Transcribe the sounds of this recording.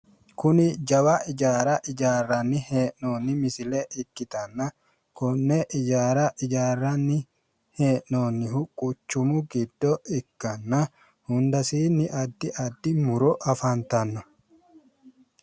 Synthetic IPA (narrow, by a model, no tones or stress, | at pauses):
kʊnɪd͡ʒɐwaʔɪd͡ʒaːɾɐʔɪd͡ʒaːrːɐnːɪheːʔnoːnːɪmɪsɪleʔɪkːɪt̪ɐnːɐ | kʊnːɛʔɪd͡ʒaːɾɐʔɪd͡ʒaːrːɐnːɪ | he̞ːʔnoːnːɪhʊkʼʊt͡ʃːʊmʊɡɪd̪ːɔʔɪkːɐnːɐ | hʊnd̪ɐsiːnːɪʔɐd̪ːɪʔɐd̪ːɪmʊɾɔʔɐfɐnt̪ɐnːɔ